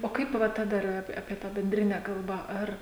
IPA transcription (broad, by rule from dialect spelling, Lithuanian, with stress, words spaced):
oː ˈkɐɪp ˈʋɐ tɐ ˈdɐr ɐp ɐpʲiɛ ˈtɑː bʲɛnʲˈdʲrʲɪnʲɛ ˈkɐlˠbɑː ˈɐr